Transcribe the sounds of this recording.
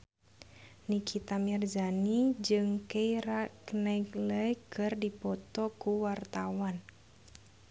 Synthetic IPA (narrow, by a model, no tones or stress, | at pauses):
nikʰit̪amird͡ʒanid͡ʒɨŋkeiɾaknakləkɨrdipɔt̪ɔkuwart̪awan